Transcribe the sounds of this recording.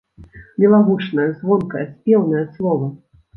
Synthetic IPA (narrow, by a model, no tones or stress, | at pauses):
mʲilˠaɣut͡ʂnɐjɐzvɔnkɐjɐsʲpʲɛwnɐjɐslˠɔvɐ